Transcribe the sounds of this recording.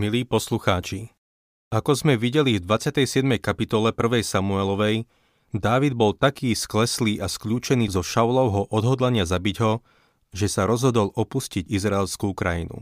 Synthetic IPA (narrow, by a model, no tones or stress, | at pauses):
miliːpɔsluxaːt͡ʃi | akɔzmɛʋiɟɛlivd̪ʋat͡sɪat̪ɛjsɪɛd̪mɛjkapit̪ɔlɛpr̩ʋɛjsamuɛlɔʋɛj | d̪aːʋid̪̚bɔlt̪akiːsklɛsliːʔaskʎuːt͡ʃɛniːzɔʃaʊlɔʊɦɔʔɔd̪ɦɔd̪laɲɪazabiɟɦɔ | ʒɛsaɾɔzɦɔd̪ɔlɔpusciɟizɾaɛlskuːkɾajinṵ